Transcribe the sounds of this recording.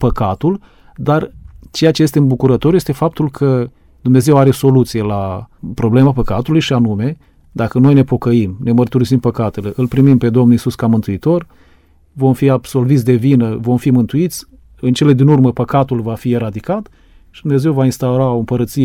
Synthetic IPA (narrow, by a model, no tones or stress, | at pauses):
pəkat̪ul | d̪art͡ʃejat͡ʃejest̪eɨnbukuɾət̪o̞ɾje̞st̪e̞fap̚t̪ulkʰə | d̪umne̞ze̞waɾe̞so̞lut̪sije̞lapɾo̞ble̞mapəkat̪ulujʃianume̞ | d̪akəno̞jne̞po̞kəimne̞mərt̪uɾisimpəkat̪e̞le̞ʔɨlpɾimimpe̞d̪o̞mnuisuskamɨnt̪uit̪o̞r | vo̞mfiabso̞lvit̪sʲd̪e̞vinəvo̞mfimɨnt̪uit̪sʲ | ɨnt͡ʃe̞le̞d̪inurməpəkat̪ulvafie̞ɾad̪ikat̪ | ʃid̪umne̞ze̞wvainst̪auɾaoɨmpəɾət̪sie